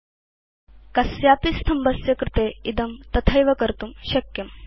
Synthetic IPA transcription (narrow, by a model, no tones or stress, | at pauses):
kɐsjaːpist̪ʰɐmbɐsjɐkɾɪt̪eid̪ɐmt̪ɐt̪ʰɐjʋɐkɐɾt̪umɕɐkjɐm